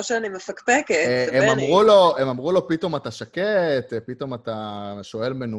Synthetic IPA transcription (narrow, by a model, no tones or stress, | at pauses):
oʃeanimefakpekeemamʁulo̞emamʁulo̞pito̞mataʃaket̪pito̞mataʃo̞e̞lmenu